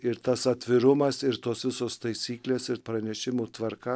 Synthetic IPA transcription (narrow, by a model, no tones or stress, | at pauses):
ɪɾt̪ɐsɐt̪ʲʋʲɪɾʊmɐsɪɾt̪oːsʋʲɪsoːst̪ɐɪsʲiːklʲeːsɪɾpɾɐnʲɛʃʲɪmuːt̪ʋɐɾkɐ